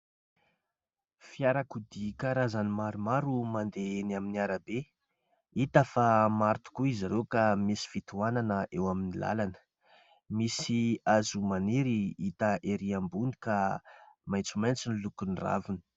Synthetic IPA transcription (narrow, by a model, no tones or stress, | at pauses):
fiaɾakud̪ikaɾazanimaɾumaɾumand̪eenaminiaɾabe | it̪əfamaɾt̪u̥kuizaɾewkamisi̥fit̪uananəʔewaminila̰lanə̥ | misiazumaniɾiit̪əʔeɾiambunikamajnt͡sumajnt͡sinilukunira̰vuni̥